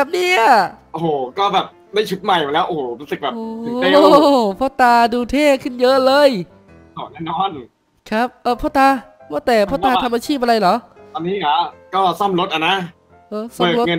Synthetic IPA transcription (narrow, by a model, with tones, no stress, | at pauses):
bɛ˨˩p̚niː˥˩ʔa˧˩ʔo˨hoː˨˩kɔː˥˩bɛː˨˩p̚ | da˥˩jt͡ɕʰu˦˥t̪̚ma˨˩ja˨˩lɛː˦˥wʔoː˧˩oː˨˩˦ɾuː˦˥sɯ˨k̚bɛː˨˩o˧˨˩pʰɔː˥˩t̪aː˧duː˧t̪ʰeː˥˩kʰɯ˥˩njɤ˦˥ʔlɤː˧jʰ | ɔː˨˩˦laː˥˩nɔː˦˥˩n | kʰa˦˥p̚ʔɤː˧˩pʰɔː˥˩t̪aː˧ | mɔ˥˩t̪ɛː˨˩pʰɔ˥˩t̪aː˧t̪ʰa˧mːʔaː˧t͡ɕʰiː˥˩p̚a˧ɾa˧jlɔ˩˦ʔt̪ɔː˧nːiː˦˥˩kʰa˦˥ʔkɔː˥˩sɔ˥˩mɾo˦˥t̪̚ʔa˧˩na˦˥ | ʔɤː˧˩sɔ˥ɤː˧˩o˦˥ŋɤ˧n